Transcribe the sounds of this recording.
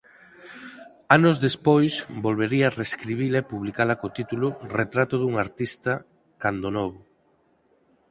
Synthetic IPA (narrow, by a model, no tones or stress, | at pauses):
anʊzðespojsbolβeɾiareskɾiβ̞ilaepuβlikalɐkot̪it̪ulʊret̪ɾat̪ʊðuŋaɾt̪ist̪ɐ | kand̪onɔβʊ